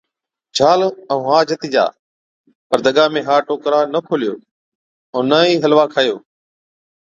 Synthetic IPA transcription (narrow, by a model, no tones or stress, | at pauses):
d͡ʒʱaːləũːɦaːd͡ʒət̪iːd͡ʒa̰ː | pəɾd̪əɠaːmẽːɦaːʈoːkɾaːnəkʰoːlɪjoː | ə̃ːnəːiːɦəlʋaːkʰaːjoː